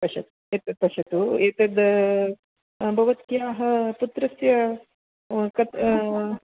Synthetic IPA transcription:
pɐʃɐ̰t̪u̥ | et̪ɐpɐʃɐt̪uet̪ɐd̪ | bʱɐʋɐt̪kjaːɦɐ̆put̪ɾɐsjɐ | kɐt̪

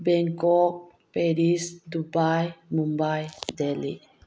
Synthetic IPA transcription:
bɛŋkok̚ | peɾisd̪ubajmumbajd̪elḭ

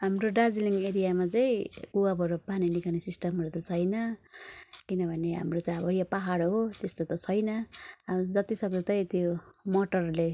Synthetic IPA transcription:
ɦamroɖad͡zliŋeɾijamat͡sʌĩkuwabʱʌɾupaninikʰanesisʈʌmɦʌɾut̪ʌt͡sʰʌjnʌ | kinʌbʱʌneɦa̰mrot͡sʌĩʌbʱʌjapaɦaɽɦot̪est̪ot̪ʌt͡sʰʌjnʌ | d͡zʌt̪isʌk̚d̪ʌt̪ʌĩt̪jomoʈʌrle

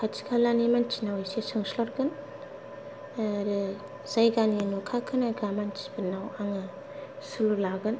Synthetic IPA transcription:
kʰatʰi̥kʰalanimant͡ʃʰinawisesɯŋslɔɾɡɯn | ɾɯ | z̥ajɡanienukʰakʰɯnaɡamant͡ʃʰi̥bɯnawaŋɯ | sululaɡɯn

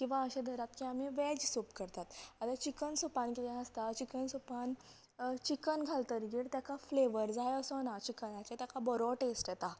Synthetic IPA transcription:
kĩw̃ʋaəɕẽd̪ʱəɾat̪kiamiʋɛd͡ʑsupkəɾt̪at̪at̪at͡ɕikənsupankit̪ẽɦəst̪at͡ɕikənsupan | t͡ɕikənɡʱalt̪əɾɡiːɽt̪jakafleʋəɾd͡zajəsɔnat͡ɕikənat͡ɕet̪jakabɔɾɔʈesʈjɛt̪a

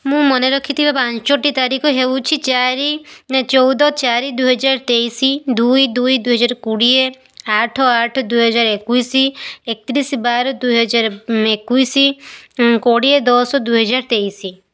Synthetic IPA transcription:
mũmɔneɾɔkʰit̪ʰibapãt͡ʃɔt͡ʃɔʈit̪aɾikʰɔɦewt͡ʃʰit͡ʃaɾit͡ʃɔwd̪ɔt͡ʃaɾid̪uɦɔd͡ʒaɾɔt̪eisid̪ujd̪ujd̪ujɦɔd͡ʒaɾkuɽie | aʈʰɔaʈʰɔd̪uɦɔd͡ʒaɾekujsiek̚t̪iɾisbaɾɔd̪ujɦɔd͡ʒaɾɔekuisi | koɽied̪ɔsɔd̪uɦɔd͡ʒaɾɔt̪eisi

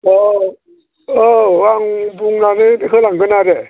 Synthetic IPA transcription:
ɔ | ɔwaŋbuŋnanɯkʰɯlaŋɡɯnaɾe

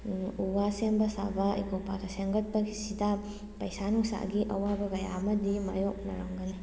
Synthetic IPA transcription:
uwasembɐsa̰bɐḭjkopaɡɐseŋɡɐt̚pɐɡisida | pɐjsanuŋsa̰ɡiʔɐ̰wabɐɡɐja̰mɐdimajok̚nɐ̰ɾɐŋɡɐni

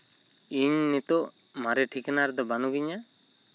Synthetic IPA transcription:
iɲnit̪ɔʔ | maɾɛʈʰikɛnaɾd̪ɔbanuɡiɲa

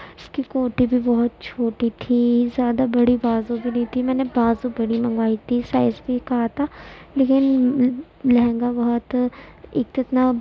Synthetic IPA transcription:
ɪskikoːʈibʱibɔɦʊt̪̚t͡ʃʰoːʈit̪ʰizjaːd̪abɐɽibaːzũbʱinɐɦĩt̪ʰimɛ̃ːnebaːzũbɐɽimɐ̃ŋɡʋaːit̪ʰisaːɪsbʱikɐɦat̪ʰaːleːkɪn | lɐɦɛ̃ːŋɡabɐɦɔt̪ḛːk̚t̪ʊɪt̪na

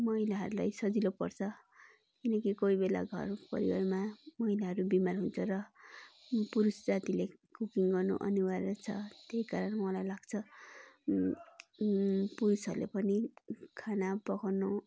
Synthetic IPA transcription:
mʌɦilaɦʌɾulajsʌd͡zilopʌ̰rt͡sʰʌ | kinʌkikojbela̰ɡʱʌ̰rpʌ̰ɾiwa̰rmamʌɦilaɦʌɾubimarɦunt͡sʰʌrʌ | puɾusd͡zat̪ilekukiŋɡʌrno̰ʔʌ̰nuwarat͡sʰʌt̪ejkaɾʌnmʌlajlaɡt͡sʰʌ | puɾusʌrlḛpʌnikʰanabʌkawno

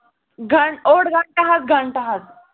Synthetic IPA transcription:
ɡʱəɳoɽɡʱəɳʈaɦat̪̚ɡʱəɳʈəɦat̪̚

